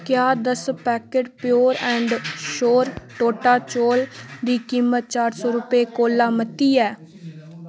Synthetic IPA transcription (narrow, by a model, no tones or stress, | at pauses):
kɪjaːd̪əspɛːkeːɖpɪjoːɾɛ̃ːɳɖʃoːɾʈoːʈaːt͡ʃoːld̪iːkiːmət̪̚t͡ʃaːɾsɔːɾʊpeːkoːlaːmət̪ːiːɛː